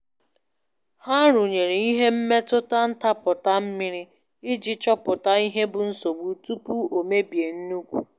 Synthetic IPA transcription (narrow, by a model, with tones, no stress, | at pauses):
ha˦ɾʊ˨ɲe˨ɾi˨i˦ɦe˦m̩˦me˦tʊ˦ta˦n̩˦ta˦pʊ˨ta˦m̩˦mɪ˦ɾi˦ | ɪ˦d͡ʒɪ˦t͡ʃɔ˦pʊ˨ta˦i˦ɦe˦bʊ˨n̩˦so˨ɡ͡bu˨tu˦pu˦o˨me˦bje˨n̩˦nu˦kʷu˨